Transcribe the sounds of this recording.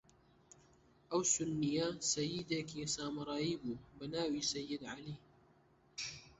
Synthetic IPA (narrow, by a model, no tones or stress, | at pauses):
ʔawsʊnːɪjasajːɪd̪akisaːmɾˤɑːjibubanaːwiːsajːɪd̪ʕaliː